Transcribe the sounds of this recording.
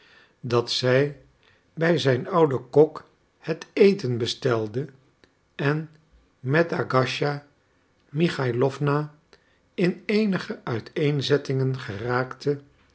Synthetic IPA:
dɑtsɛj | bɛjzɛjnɑwdəkɔk | hətejtənbəstɛlˠdə | ɛn | mɛtaɡɑʃa | miχajlɔfvna | ɪnejnəχəʔœɥtʰejnzɛtɪŋənχəraːktʰə

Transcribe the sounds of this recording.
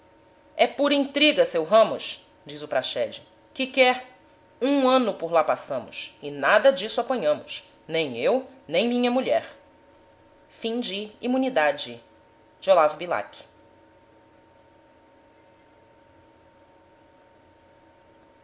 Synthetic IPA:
ɛpuɾɐĩnt̪ɾiɡɐsewɦɐ̃mʊs | d͡ʒizʊpɾaʃɛd͡ʒɪ | kɪkɛɾ | ũɐ̃nʊpʊɾlapasɐ̃mʊ̰sɪnad̪ɐd͡ʒisʊapɐ̃ɲɐ̃mʊs | nẽj̃ewnẽj̃mĩɲɐmuʎɛɾ | fĩd͡ʒɪimũnid̪ad͡ʒɪ | d͡ʒolavʊbila̰kɪ̥

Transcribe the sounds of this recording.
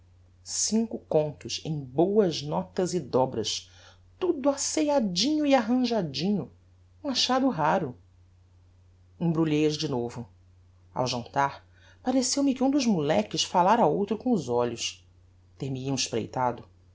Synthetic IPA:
sĩŋkʊkõnt̪ʊʃḛ̃j̃bowɐznɔt̪ɐzɪd̪ɔbɾɐ̰ʃ | t̪ud̪ʊasejad͡ʒĩɲʊiaɦɐ̃ʒad͡ʒĩɲʊ | ũaʃad̪ʊɦaɾʊ | ẽbɾuʎejɐzd͡ʒɪnovʊ | a̰wʒɐ̃nt̪aɾ | paɾesewmɪkɪũd̪ʊʒmulɛkɪʃfalaɾɐowt̪ɾʊkõʊzɔʎʊʃ | t̪ehmiiɐ̃ʃpɾḛjt̪ad̪ʊ

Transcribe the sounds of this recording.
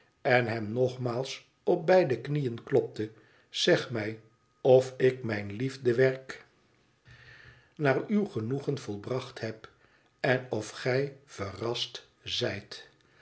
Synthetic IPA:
ɛnɦɛmnɔχmaːlˠs | ɔp̚bɛjdəknijənklɔp̚tə | z̥ɛχmɛj | ɔfɪkmɛjnlivdəʋɛɹk | naːrywχənuχənv̥ɔlˠbrɑχtɦɛp | ɛnɔfχɛjv̥ərɑst | zɛjt

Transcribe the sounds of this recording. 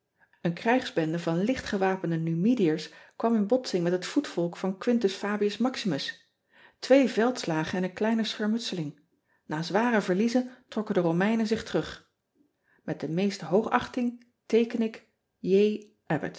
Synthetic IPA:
ənkrɛjχz̥bɛndəvɑnlɪχtχəʋaːpəndənymidijəɹskʋɑmɪnbɔtsɪŋmɛtɦətfutfɔlˠkfɑnkʋɪntəsfaːbiəsmɑksimɵs | tʋejvɛlˠtslaːχənɛnənklɛjnəsχɛɹmɵtsəlɪŋ | naːzʋaːrəvəɹlizəntrɔkəndərowmɛjnənzɪχtərɵχ | mɛt̚dəmejstəɦowχɑ̰χtɪŋ | tejkənɪk | jej | ʔɛbə̰t

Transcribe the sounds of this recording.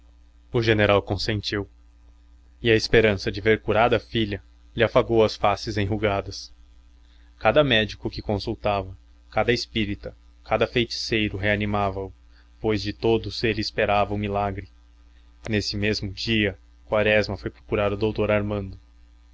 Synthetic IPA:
ʊʒeneɾawkõsẽnt͡ʃiw | ɪɐespeɾɐ̃sɐd͡ʒɪveɾkuɾad̪ɐfiʎɐ | lɪafaɡowɐsfasɪzẽj̃ɦuɡad̪ɐs | kad̪ɐmɛd͡ʒikʊkɪkõsuwt̪avɐ | kad̪ɐespiɾit̪ɐ | kad̪ɐfejt͡ʃi̥sejɾʊɦeanimavɐʊ | pojzd͡ʒɪt̪od̪ʊz̥elɪːspeɾavɐʊmilaɡɾɪ | nesɪmezmʊd͡ʒiɐ | kwaɾɛzmɐfojpɾo̥kuɾad̪ʊd̪owt̪oɾaɾmɐ̃nd̪ʊ

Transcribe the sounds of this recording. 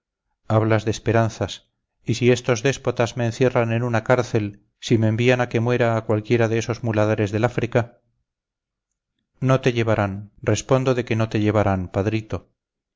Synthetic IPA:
aβlazðespe̞ɾanθas | isie̞st̪o̞zðe̞spo̞t̪azme̞ːnθje̞ranenunakaɾθe̞l | simeːmbianake̞mwe̞ɾaːkwalkje̞ɾaðeeso̞zmulaðaɾe̞zðe̞lafɾika | no̞t̪eʎe̞βaɾanrre̞spo̞nd̪oðe̞ke̞no̞t̪eʎe̞βaɾanpaðɾit̪o̞

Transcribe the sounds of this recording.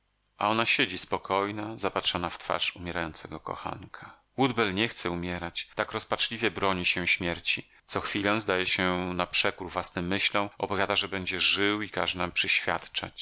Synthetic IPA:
ʔa̰ɔnaɕed͡ʑispɔkʰɔjnazapatʂɔnaft̪fa̰ʂumʲjɛɾajɔnsɛɡɔkɔ̰xa̰ŋkʰa | wud̪bɛlɲɛxt̪sɛumʲjɛɾat͡ɕt̪akɾɔspat͡ʂlʲivʲjɛbɾɔɲiɕɛɕmʲjɛɾt͡ɕi | t̪sɔxfʲilɛ̃w̃zd̪ajɛɕɛnapʂɛkuɾvwasnɛmːɘɕlɔ̃ɔpɔvʲjad̪aʐɛbɛɲd͡ʑɛʐɘwikaʐɛnampʂɛɕfʲja̰t̪t͡ʂa̰t͡ɕ

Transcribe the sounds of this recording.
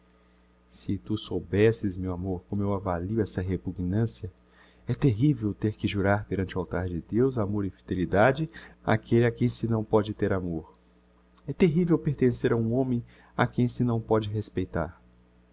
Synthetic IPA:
sɪt̪usowbɛsɪzmewamoɾkõmʊewavaliʊɛsɐɦepuɡnɐ̃siɐ | ɛt̪eɦivewt̪eɾkɪʒuɾaɾpeɾɐ̃nt͡ʃɪuawt̪aɾd͡ʒɪd̪ewz̬amoɾɪfid̪elid̪ad͡ʒɪa̰kʰelɪakẽj̃sɪnɐ̃w̃pɔd͡ʒɪt̪eɾamoɾ | ɛt̪eɦivewpeɾt̪ẽseɾaũõmẽj̃ | a̰kẽj̃sɪnɐ̃w̃pɔd͡ʒɪɦespejt̪a̰ɾ

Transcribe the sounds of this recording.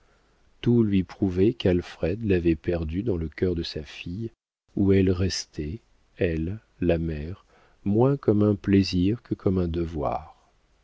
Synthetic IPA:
t̪ulɥipχuvɛkalfχɛd̪lavɛpɛʁd̪yd̪ɑ̃ləkʲœʁd̪əsafij | uɛlʁɛst̪ɛ | ɛlː | amɛʁ | mwɛ̃kɔmɛ̃pleziʁkʰəkʰɔmɛ̃d̪əvwa̰ːʁ

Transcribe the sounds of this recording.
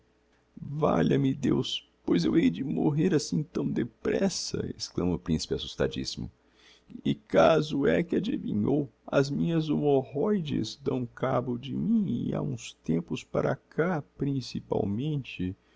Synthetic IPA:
vaʎɐmɪd̪ews | pojzewejd͡ʒɪmoɦeɾasĩt̪ɐ̃w̃d̪epɾɛsɐ̰esklɐ̃mɐʊpɾĩsi̥pɪasust̪ad͡ʒḭsimʊ | ɪkazʊɛkɪad͡ʒivĩɲowɐzmĩɲɐzomohɔjd͡ʒɪzd̪ɐ̃w̃kabʊd͡ʒɪmĩɪa̰ũst̪ẽmpʊspaɾɐkʰapɾĩsipa̰wmẽnt͡ʃɪ

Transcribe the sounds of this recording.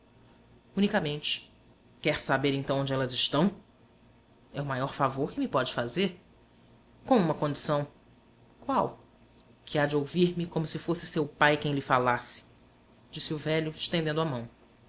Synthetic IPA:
ũnikɐmẽnt͡ʃɪ̥ | kɛɾsabeɾẽt̪ɐ̃w̃õd͡ʒɪɛlɐzɪʃt̪ɐ̃w̃ | ɛʊmajɔɾfavoɾkɪmɪpɔd͡ʒɪfazeɾ | kõũmɐkõd͡ʒisɐ̃w̃ | kwaw | kʰɪad͡ʒɪowviɾmɪkõmʊsɪfosɪsewpajkẽj̃lɪfalasɪ̥ | d͡ʒisɪʊvɛʎʊɪʃt̪ẽnd̪ẽnd̪ʊamɐ̃w̃

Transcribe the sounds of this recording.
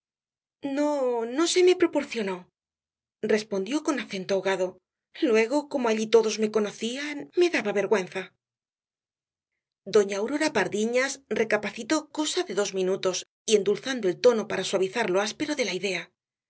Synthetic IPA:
no̞no̞se̞me̞pɾo̞po̞ɾθjo̞no̞ | re̞spo̞nd̪jo̞ko̞naθe̞nt̪oaoɣaðo̞ | lwe̞ɣo̞ko̞moaʎit̪o̞ðo̞zme̞ko̞no̞θianme̞ðaβaβe̞ɾɣwe̞nθa | d̪o̞ɲaːwɾo̞ɾapaɾðiɲasre̞kapaθit̪o̞ko̞saðe̞ðo̞zmĩnut̪o̞s | ie̞nd̪ulθand̪o̞e̞lt̪o̞no̞paɾaswaβiθaɾlo̞aspe̞ɾo̞ðe̞laiðe̞a

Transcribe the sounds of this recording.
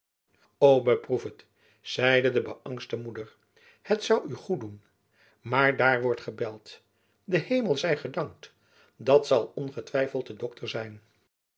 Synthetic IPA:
owbəprufət | z̥ɛjdədəbəʔɑŋstəmudəɹ | hətsɑwʔyχudun | maːɹdaːɹʋɔɹtχəbɛlˠt | dəhejməlˠzɛjχədɑŋkt | dɑtsɑlˠɔnχətʋɛjfəlˠtədɔktʰəɹzɛjn

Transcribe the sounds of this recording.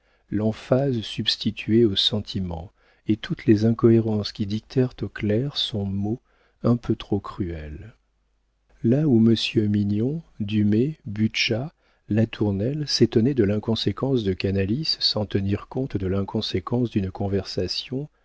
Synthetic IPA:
lɑ̃fazsybst̪it̪ʰɥeosɑ̃t̪ʰimɑ̰̃ | et̪ʰut̪lezɛ̃kɔeʁɑ̃skʲid̪ik̚t̪ʰɛʁt̪oklɛʁsɔ̃mo | ɛ̃pʰøt̪χokχyɛl | lauməsjøminɔ̃d̪ymebyʃa | lat̪ʰuʁnɛlset̪ɔnɛd̪əlɛ̃kɔ̃sekɑ̃sd̪əkanalisːɑ̃t̪əniʁkɔ̃t̪d̪əlɛ̃kɔ̃sekɑ̃sd̪ynkɔ̃vɛʁsasjɔ̃

